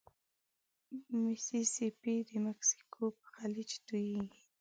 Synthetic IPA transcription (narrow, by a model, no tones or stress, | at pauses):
mɪsisipid̪əmaksi̥kʰopəxalɪt͡ʃt̪ujiɡi